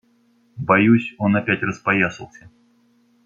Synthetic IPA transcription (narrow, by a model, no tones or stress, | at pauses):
bajusʲonɐpʲætʲrəspajasɨlˠsʲə